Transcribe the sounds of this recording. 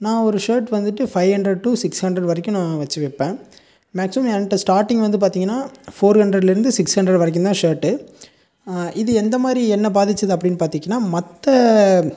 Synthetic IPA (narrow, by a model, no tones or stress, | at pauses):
nãːɔɾɯʂɐːɾʈʋɐnd̪ɯʈːɯfɐɪhɐɳɖɾɛɖ̚ʈuːsɪkshɐɳɖɾɛɽʋɐɾɐɪkːʊ̃nãːʋɐt͡ʃːɯʋɛpːẽː | maːksɪmɐmɛnɐʈːɐsʈaːɾʈːɪ̃ŋɡʋɐnd̪ɯpaːɾt̪iːŋɡɐnːaːfoːɾhɐɳɖɾɛɖlɪɾɯnd̪ɯsɪkshɐɳɖɾɛɖʋɐɾɛk̬ːʊnãːʂɐːɾʈːɯ | ɪðɯɛnd̪ɐmaːd̪ɾiɛnːɐbaːðɪt͡ʃːɐðɯɐp̬ːɐɽɪnːɯpaːɾt̪iːŋɡɐnːaːmɐt̪ːɐ